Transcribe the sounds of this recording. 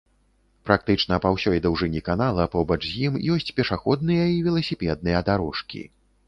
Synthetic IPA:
pɾak̚t̪ɨt͡ʂnɐpawsʲɔjd̪ɐwʐɨnʲikanalˠɐpɔbɐt͡ʂjimjɔsʲt͡sʲpʲɛʂaxɔd̪nɨjɐivʲɛlˠɐsʲipʲɛd̪̚nɨjɐd̪aɾɔʂkʲḭ

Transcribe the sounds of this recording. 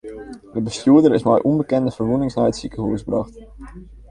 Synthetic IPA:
dəbəstjuədəɾɪsmɛjʔumbəkɛndəfərʋunɪŋsnajətsikəɦuəsbrɑχt

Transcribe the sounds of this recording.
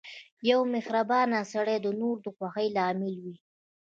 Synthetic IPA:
jawmɪxɾabɑnasaɽed̪ənoɾd̪əxwaxəjlɑːmɪlwi

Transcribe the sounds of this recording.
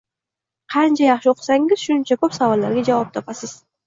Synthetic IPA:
qʰɑnt͡ʃʰajɑχʃɪoqʰɨ̥saŋɪz̥ʃʊnɪnt͡ʃʰabɒpsavɒlːaɾɡʲad͡ʒavɒp̚t̪ʰɒpasɪz̥

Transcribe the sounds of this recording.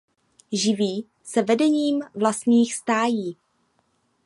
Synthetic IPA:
ʒɪviː | sɛvɛdɛɲiːmvlast̪ɲiːxst̪aːjiː

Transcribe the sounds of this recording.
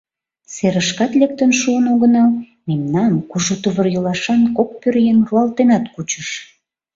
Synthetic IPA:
seɾəʃkɑt̪lek̚t̪ənʃuənoɣə̆nɑl | memnɑnkuʒut̪uβərjəlɑʃɑnkok̚pørjenruɑlt̪enɑt̪kut͡ɕəʃ

